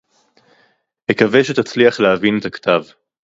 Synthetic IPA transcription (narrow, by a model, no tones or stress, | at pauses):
mekaveʃet̪at͡sliaχleɦavinet̪akt̪ʰav